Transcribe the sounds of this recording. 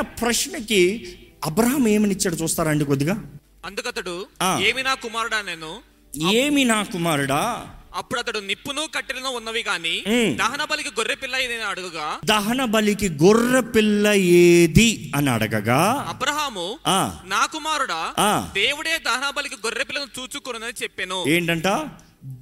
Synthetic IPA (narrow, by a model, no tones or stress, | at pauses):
ɐpɾɐʂɳɐkiɐbɾɐɦɐmeːmɐnit͡ʃːaːɽut͡ʃuːst̪aːɾaɐɳɖikod̪iɡaː | ɐnd̪ukɐt̪ɐɽuaːeːminaːkumaːɾuɽaneːnu | eːminaːkumaːɾuɽaːɐpːuɽɐt̪ɐɽunipːunuːkɐʈːilɐnuːunːɐʋiɡaːniːd̪ɐɦɐnɐbɐlikiɡoɾːepilːɐjeːd̪iɐniɐɽɐɡɐɡaːd̪ɐɦɐnɐbɐlikiɡorːepilːɐjeːd̪iɐniɐ̰ɽɐɡɐɡaːɐbɾɐɦaːmuaːnaːkumaːɾuɽaːaːd̪eːʋuɽeːd̪ɐɦɐnɐbɐlikiɡɔɾːepilːɐnut͡ʃuːt͡ʃukuɾunɐnit͡ʃepːenueːɳʈɐɳʈaː